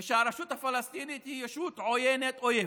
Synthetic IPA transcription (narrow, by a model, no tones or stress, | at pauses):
ʃaːɾˤaʃut̪afalɐst̪iːnit̪ijaʃuːt̪ʕojenet̪ʼʔoje